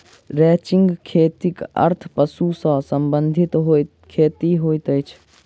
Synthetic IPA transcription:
ɾɛːt͡ʃɪŋɡkʰeːt̪ikɐ̰ɾt̪ʰpəsusə̃ːsəmbənd̪ʱɪt̪ɦo | kʰeːt̪iɦoːjt̪əjt͡ʃʰ

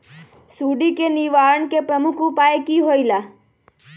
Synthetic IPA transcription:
suɖikeniʋaɭəɳkepɾəmukʰupaekiɦojla

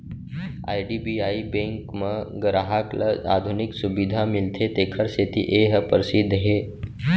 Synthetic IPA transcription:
a̰jɖibiaibẽŋkməɡɾaɦakləa̰d̪ʱuniksubid̪ʱamilt̪ʰet̪ekʰəɾset̪ḭʔeɦəpəɾsid̪ʱːɦe

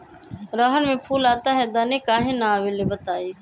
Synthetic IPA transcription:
ɾoːɦənmẽːpʰuːlaːt̪aːɦɛːd̪əːneːkaːɦẽːnaːʋeːleːbət̪aːeː

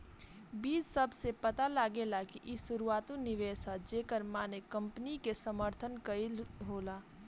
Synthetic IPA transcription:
biːd͡ʒsɐbsepɐt̪alaːɡelakiʔɪsʊɾuaːt̪õnɪʋeːsad͡ʒeːkəɾmaːnekə̃mpnikesəməɾt̪ʰənkəilɦoːlaː

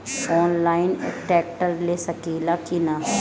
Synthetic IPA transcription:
ɔːnlaːɪn̰ʈɛːk̚ʈəɾleːsəkiːlaːkinaː

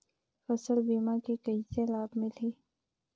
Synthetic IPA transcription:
fɐsəlbiːmãkikɐiselaːbmɪliː

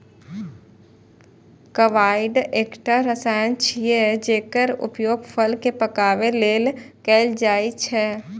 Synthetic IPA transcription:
kəʋaːɪɖeːkʈaɾəsaːjənt͡ʃʰied͡ʒeːkəɾʊ̰pjoːɡfʰəlkepəkaːʋeleːlkɛːld͡ʒaːit͡ʃʰɛː

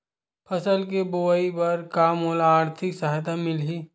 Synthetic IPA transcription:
pʰɐsəlk̬eboːaipɐɾkaːmoːlaːɾt̪ʰɪksaɦt̪amɪlɦiː

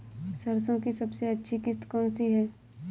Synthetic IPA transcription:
sɐɾs̬õkisɐbseɐtːʃʰikɪst̪kɔːmsiɦɛː

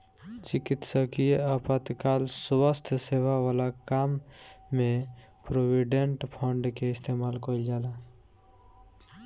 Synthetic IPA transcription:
t͡ʃɪkit̪səkijeapat̪kaːlswəst̪ʰsewawaːlakaːmːẽ | pɾowiɖeɳʈpʰɔ̃ɳɖkeɪst̪ʰemaːlkold͡ʒaːla

